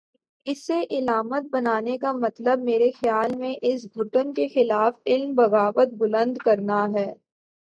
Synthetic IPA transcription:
ɪsːeʔɪlaːmət̪̚bɐnaːnekamɐt̪ləb̚meːɾexjaːlmẽʔɪs̬bʱʊʈənkexɪlaːfɪlmbɐɣaːʋət̪̚bʊlə̃nd̪kɐɾnaɦɛː

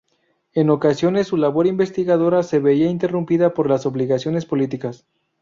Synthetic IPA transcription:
e̞no̞kasjo̞ne̞sːulaβo̞ɾimbe̞st̪iɣaðo̞ɾase̞βe̞iaint̪e̞rumpiðapo̞ɾlaso̞βliɣasjo̞nespo̞lit̪ikas

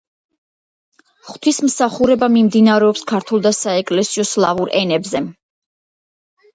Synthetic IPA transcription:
χt̪ʰwismsaχuɾɛbamimd̪inaɾɛɔpskʰaɾt̪ʰɛlˠd̪asaɛkʼlɛsiɔslˠavuɾʔɛnɛbzɛ

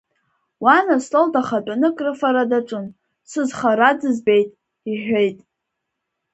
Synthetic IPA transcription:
wanasloldʰʼaχat͡pʼanɨkʼrɨfaɾadaʈ͡ʂʷʼɨn | sɨzχaɾad͡zɨzbe̞jtʼ | iħʷᶣejtʼ

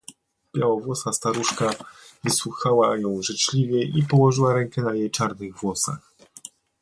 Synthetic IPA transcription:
b̥jawɔvwɔsast̪aɾuʂkavɘswuxawajɔ̃w̃ʐɘt͡ʂlʲivʲjɛʔipɔwɔʐɘwaɾɛŋkɛnajejt͡ʂaɾnɘɣvwɔsa̰x

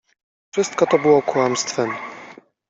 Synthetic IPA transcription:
fʂɘst̪kɔt̪ɔbɘwɔkwamst̪fɛm

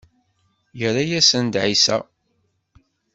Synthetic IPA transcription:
jəɾajæsənd̪ʕisæ̰

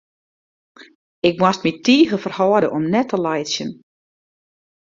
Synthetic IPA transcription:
ɪk̚mwast̚mitʰiːɣəfərhɔːədəʔɔmnɛtʰəlajsjən

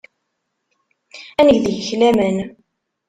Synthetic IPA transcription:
ænəɡðəʝəçlæmən

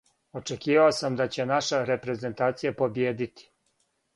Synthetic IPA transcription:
o̞t͡ʂekiːʋaosamd̪at͡ɕe̞naʃaɾe̞pɾe̞ze̞nt̪aːt̪sijapo̞bjeːd̪it̪i̥

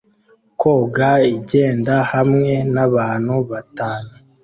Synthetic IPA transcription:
koɡaiɟe̞ːndahamŋe̞naβaːn̥huβataːnu

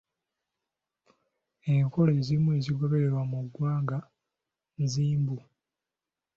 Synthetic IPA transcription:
eŋko̞le̞ːzimue̞ːziɡo̞βe̞ɾe̞ɾwamuɡwaːŋɡa | nziːmbu

